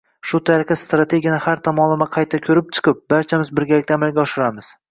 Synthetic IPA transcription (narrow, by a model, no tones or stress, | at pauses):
ʃʊt̪ʰaɾɨqɨst̪ɾat̪ʰe̞ɡʲijanɪhaɾt̪ʰamɒlˠɪmaqʰɑjt̪ʰakʲʰɵɾɪp̚t͡ʃʰɨ̥qʰɨp̚baɾt͡ʃʰamɪzbɪɾɡʲalɪk̚ʲt̪aːmalɡʲaɒʃɪɾamɪz̥